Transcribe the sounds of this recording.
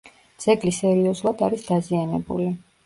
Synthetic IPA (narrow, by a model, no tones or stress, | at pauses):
d̪z̥ɛɡlisɛɾiɔzulˠad̪aɾisd̪̥azianɛ̰bṵli